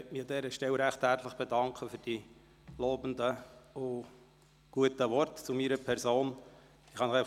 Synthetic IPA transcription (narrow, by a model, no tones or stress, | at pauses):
ɛtmɪɑdɛːɾəʃtɛlɾæχt̪hæɾt̪ləχb̥edɑŋkʰəfyːɾd̥i | loːbənd̪əʊ | ɡ̥uətəʋɔrtt͡sumiːɾəpʰɛɾzoːn | ɪχhɑnəχɛɪ